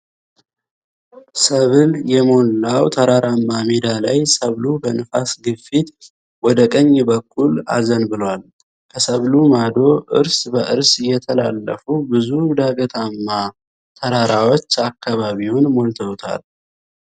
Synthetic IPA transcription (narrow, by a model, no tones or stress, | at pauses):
səβɨljɛmo̞nawt̪ʰəɾaɾamːamed̪alajsəβlubənɨfasɡɨfit̪ | wɔd̪əkʼəɲːbəkʰʼːula̰zənbɨlwal | kʰəsəβlumad̪o̞ʔɨ̰ɾsbəʔɨɾsɪjːɛt̪ʰəla̰lːə̰fubɨzud̪aɡət̪ʰamːa | t̪ʰəɾaɾawot͡ʃːakːaβaβiwʊnmo̞nt̪ʰəwt̪ʰa̰l